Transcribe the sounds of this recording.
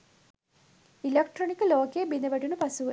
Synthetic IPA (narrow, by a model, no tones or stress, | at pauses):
ilɐkʈronikːɨlo̞ːkeːbinɐʋɐʈːunupɐsuʋu